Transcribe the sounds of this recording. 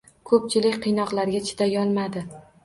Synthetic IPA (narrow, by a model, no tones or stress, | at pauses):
kʰɵp̚t͡ʃʰɪlɪkʲqʰɨjnɒqlˠaɾɡʲat͡ʃʰɪ̥d̪̥ajɒlˠmad̪ɪ